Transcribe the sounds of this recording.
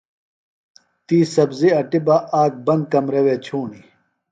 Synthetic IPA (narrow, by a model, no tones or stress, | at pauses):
t̪iːsɐbziɐʈibaʔaːk̚bɐnd̪̚kɐmɾɐweːt͡ɕʰuːɳi